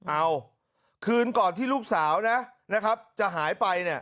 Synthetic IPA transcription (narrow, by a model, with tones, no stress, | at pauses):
ʔa˧w | kʰɯː˧nkɔː˨˩nt̪ʰiː˥˩luː˥˩k̚saː˩˦wna˦˥na˦˥kʰa˦˥p̚t͡ɕa˨˩ɦaː˩˦jpa˧jni˥˩